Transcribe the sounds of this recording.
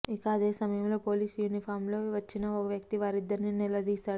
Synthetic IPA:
ikɐːd̪e̞ːsɐmɐjɐmlo̞ːpo̞ːliːsjunipʰaːɾmlo̞ːʋɐt͡ʃːinɐɔkɐʋjɐkt̪iʋaːɾid̪ːɐɾninilɐd̪iːsaːɽu

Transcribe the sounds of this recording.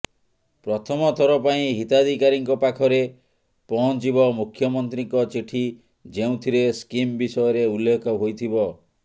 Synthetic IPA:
pɾɔt̪ʰɔmɔt̪ʰɔɾɔpaĩɦit̪ad̪ʱikaɾiŋkɔpakʰɔɾe | pɔɦɔ̃nt͡ʃibɔmukʰjɔmɔnt̪ɾiŋkɔt͡ʃiʈʰi | d͡ʒeũt̪ʰiɾeskimbisɔjɔɾeulːekʰɔɦojt̪ʰibɔ

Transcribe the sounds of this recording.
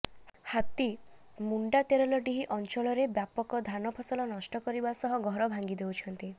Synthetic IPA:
hat̪i | muɳɖat̪eɾɔlɔɖiɦiʔɔnt͡ʃɔɭɔɾebjapɔkɔd̪ʱanɔpʰɔsɔlɔnɔsʈɔkɔɾibasɔɦɔɡʱɔɾɔbʱaŋɡid̪ewt͡ʃʰɔnt̪i

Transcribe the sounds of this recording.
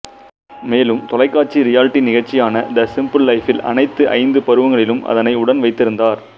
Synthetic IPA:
meːlɯmt̪ɔlɐɪkːaːʈ̚t͡ʃːiɾɪjaːlɪʈːinɪɣɐɻt͡ʃːɪjaːnɐʔɪnd̪ɐsɪmpɯllɐɪfɪlɐ̰nɐɪt̪ːɯʔɐ̰ɪnd̪ɯpɐɾɯʋɐŋɡɐɭɪlɯmʔɐ̰ðɐnɐɪʊɽɐnʋɐɪt̪ːɪɾɯnd̪aːɾ

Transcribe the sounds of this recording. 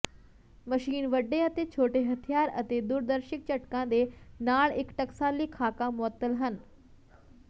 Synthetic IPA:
məʃiːnʋəɖːeət̪et͡ɕʰoːʈeɦɐt̪ʰijaːɾɐt̪ed̪uːɾd̪əɾʃɪk̚t͡ɕɐʈkãd̪enaːɭɪkʈɐksaːliːkʰaːkamʊət̪ːəlɦən

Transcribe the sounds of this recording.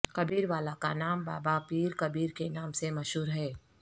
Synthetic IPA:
kɐbiːɾʋaːlakanaːmbaːbapiːɾkɐbiːɾkenaːmsemɐʃɦuːɾɦɛː

